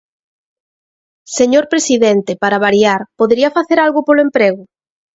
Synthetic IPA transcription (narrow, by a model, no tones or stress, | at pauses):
seɲoɾpɾesiðɛnt̪epaɾaβaɾjaɾpoðeɾiɐfaθeɾalɣʊpolʊempɾeɣʊ